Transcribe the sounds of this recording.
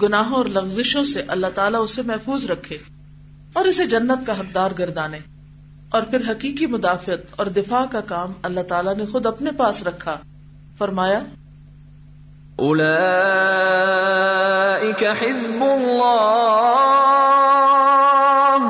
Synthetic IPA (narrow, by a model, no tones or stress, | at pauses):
ɡʊnaːɦõɔːɾlɐɣzɪʃõseʔɐlːaɦt̪aːlaʊsːemɛɦfuːzɾɐkʰːeː | ɔːɾɪsed͡ʒɐnːət̪̚kaɦɐk̚d̪aːɾɡɐɾd̪aːnẽː | ɔːɾpʰɪɾɦɐkiːkimʊd̪aːfɪət̪ɔːɾd̪ɪfaːkakaːmɐlːat̪aːlanexʊd̪ɐpnepaːsɾɐkʰːa | fɐɾmaːja | ʔʊla | ʔɪkaħɪzbʊlːaː